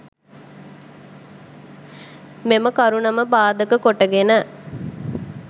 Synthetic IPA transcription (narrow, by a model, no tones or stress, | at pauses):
meməkaɾunɐməbaːd̪əkəkoʈəɡenə